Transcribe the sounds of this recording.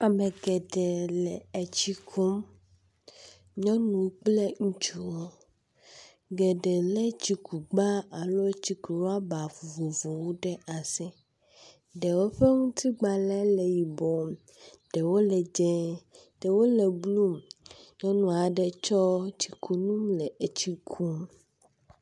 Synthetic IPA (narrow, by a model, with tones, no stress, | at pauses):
a˨me˨ɡɛ˨ɖɛ˨lɛ˨ɛ˨t͡ɕi˦kʰu˦m | ɲɔ̃˦nũ˨˦k͡ple˦ŋũ˦t͡ʃu˦wo˦ | ɡɛ˨ɖɛ˨lɛ˦t͡ɕi˨ku˨ɡ͡ba˦a˨lo˦t͡ɕi˨ku˨ɾo˦a˦ba˨vu˨vo˨vo˨wo˦ɖɛ˦ʔa˨sɛ˦ | ɖɛ˨wo˦ɸe˦ŋũ˦t̪ʰi˦ɡ͡ba˨lɛ˦lɛ˨ji˨bɔ˨m | ɖ̥ɛ˨wo˦lɛ˨d͡ʒɛ˦ | ɖ̥ɛ˨wo˦lɛ˨blu˦mɲɔ̃˦nũ˨a˨ɖɛ˦t͡ʃɔ˦t͡ɕi̥˨kʰu˨nũ˦mlɛ˨e˨t͡ɕi˦kʰu˦m